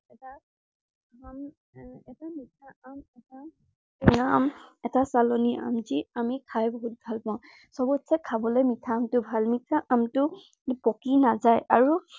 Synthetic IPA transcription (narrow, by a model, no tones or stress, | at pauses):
ɛta | am | ɛtamitʰaamɛta | namɛtasalonia̰mziamikʰajbɔɦut̚bʱalpãʊ̃ | sɔbɔtsɛkʰabɔlɔjmitʰaːmtʊbʱalmitʰaʔamtʊ | pɔkinazajaɹu